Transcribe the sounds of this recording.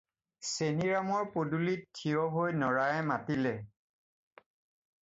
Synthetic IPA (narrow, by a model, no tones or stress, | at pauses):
seniɹamɔɹpodulittʰːiɔɦojnɔɹajmatilɛ